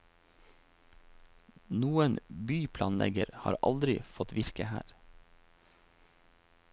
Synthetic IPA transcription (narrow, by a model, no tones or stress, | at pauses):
nuːənbyːpʰlɑːnlʔɛ̰ɡəɾhɑ̰ːɾʔɑ̰ld̪ɾɪfɔt̪ʋɪɾkəhæːɾ